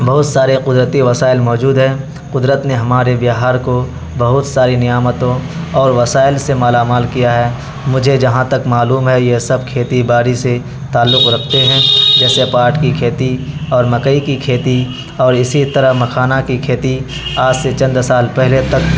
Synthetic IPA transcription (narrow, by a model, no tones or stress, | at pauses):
bɐɦʊt̪saːɾeqʊd̪ɾət̪iʋɐsaːɪlmɔːd͡ʒuːd̪ɦɛ̃ː | qʊd̪ɾət̪neɦɐmaːɾebɪɦaːɾko | bɐɦʊt̪saːɾinɪjaːmət̪õ | ɔːɾʋɐsaːɪlsemaːlaːmaːlkijaɦɛː | mʊd͡ʒʱed͡ʒɐɦãt̪ɐkmaːluːmɦɛjesɐb̚kʰeːt̪ibaːɾise | t̪aːlːʊqɾɐkʰt̪eɦɛ̃ːd͡ʒɛːsepaːɾʈkikʰeːt̪iɔːɾmɐkəikikʰeːt̪i | ɔːɾɪsit̪ɐɾəmɐkʰaːnakikʰeːt̪i | aːd͡ʒset͡ʃɐ̃nd̪saːlpɛɦlet̪ɐk